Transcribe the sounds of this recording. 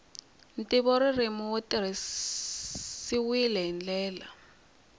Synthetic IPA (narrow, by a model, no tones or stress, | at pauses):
ntʼiβɔɾirimɔwotiri | siwilɛɦɛnd͡ɮɛːla